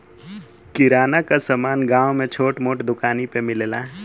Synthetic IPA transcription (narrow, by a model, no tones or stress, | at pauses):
kɪɾaːnakasəmaːnɡãːwmẽt͡ʃʰoːʈmoːʈd̪ʊkaːnipemɪlela